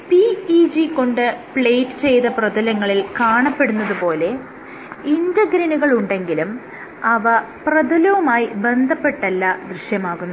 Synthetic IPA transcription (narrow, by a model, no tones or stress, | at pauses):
piid͡ʑiko̞ɳɖɨpɭejtːɨ̥t͡ɕe̞jt̪ɐprɐd̪ɐlɐŋːɐɭilkaːɳɐpːe̞ɽunːɐðupo̞ːle̞ | indɐɡɾɐnuɣɐɭuɳɖe̞ŋɡilum | ɐʋɐ | prɐd̪ʱɐlɐʋumaːjibe̞nd̪ʱɐpːe̞ʈːɐlːɐd̪riɕjɐmaːɣunːu